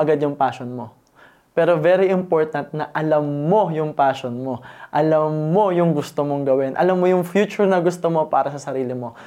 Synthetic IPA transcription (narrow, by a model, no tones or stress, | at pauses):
ɐɡad̪jʊŋpaːʃonmo̞ | pɛːɾo̞vɛɾiʔɪmpo̞ɹt̪ɐnt̪̚nɐʔɐlɐmːo̞jʊŋpaːʃonmo̞ʔɐlɐmːo̞jʊŋɡʊst̪omoŋɡɐwɪnʔɐ̰lɐmːo̞jʊŋfjuːt͡ʃʊɹnɐɡʊst̪omo̞pa̰ːɾɐsɐsɐɾiːlɪmo̞